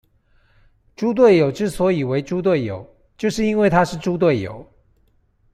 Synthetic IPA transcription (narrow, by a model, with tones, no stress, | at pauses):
ʈ͡ʂu˥t̪̬we˥˩ɪjo˨˩ʊʈ͡ʂɻ̩˥˩swɔ˧˥i˨˩we˧˥ɪʈ͡ʂu˥t̪we˥˩ɪjo̰˨˩˦ʊ | t͡ɕjo˥˧ʊʂɻ̩˥˩i˥nwe˥˩ɪt̪ʰa˥ʂɻ̩˥˨ʈ͡ʂu˥t̪we˥˩ɪjo̰˨˩˦ʊ